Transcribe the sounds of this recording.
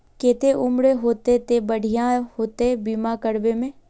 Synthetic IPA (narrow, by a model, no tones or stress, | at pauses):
keːt̪eʔʊmɽeɦoːt̪et̪ebɐɽ̤ʱijãhoːt̪ebiːmakəɽbemẽ